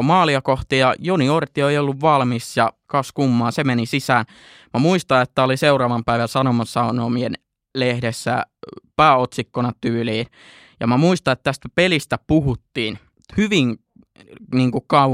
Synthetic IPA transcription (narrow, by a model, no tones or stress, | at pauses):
mɑːliɑkoht̪ijɑjoniort̪ioeiolːuʋʋɑlmisjɑkɑskumːɑːnsemenisisæːn | mæmuist̪ɑet̪ːæoliseurɑːʋɑmpæiʋæsɑnomɑsːɑnoːmien | lehdesːæ̰pæːot̪sikːonɑt̪yːliːn | jɑ̰mæmuist̪ɑet̪t̪æst̪æpelist̪æpuhut̪ːiːn | hyʋiŋ | niːŋkukkɑu